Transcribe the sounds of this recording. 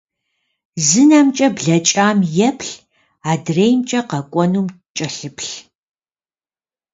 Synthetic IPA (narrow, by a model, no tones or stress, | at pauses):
zɨnamt͡ʃʼɐbɮɐt͡ʃʼaːmjɛpʰɬ | aːdreːjmt͡ʃʼɐqɐkʷʼɔnuːm | t͡ʃʼɐɬɨpʰɬ